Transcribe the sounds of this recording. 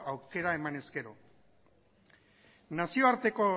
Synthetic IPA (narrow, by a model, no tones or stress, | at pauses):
awke̞ɾae̞mane̞ske̞ɾo̞̰ | nasio̞aɾt̪e̞ko̞